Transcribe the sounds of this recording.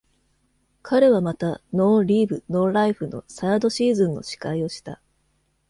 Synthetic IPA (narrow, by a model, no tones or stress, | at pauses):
kʰaɾe̞βamat̪ano̞ːɾʲiːbɯ̟no̞ːɾaiɸɯ̟no̞̰saad̪o̞ɕiːzɨ̃nːo̞̰ɕi̥kaio̞ɕi̥t̪a